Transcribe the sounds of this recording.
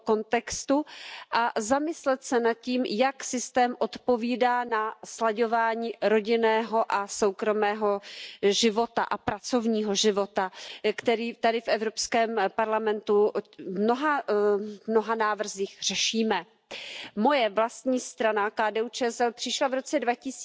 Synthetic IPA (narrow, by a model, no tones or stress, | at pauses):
ko̞nt̪ɛkst̪uʔazamɪslɛt̪sɛnat̪̚ciːmjaksɪst̪ɛːmʔo̞t̪po̞viːdaːnaslaɟo̞vaːɲiːɾoɟɪnɛːɦo̞ʔasowkɾo̞mɛːɦo̞ʒɪvo̞t̪a̰ʔapɾat͡so̞vɲiːɦo̞ʒɪvo̞t̪akt̪ɛɾiːt̪adɪfʔɛvɾo̞pskɛːmpaɾlamɛnt̪umnoɦa | mno̞ɦanaːvr̩ziːxr̝̥ɛʃiːmɛ | mo̞jɛvlast̪ɲiːst̪ɾanakaːdɛːut͡ʃɛsɛlpr̥ɪʃlavɾo̞t͡sɛdvacɪs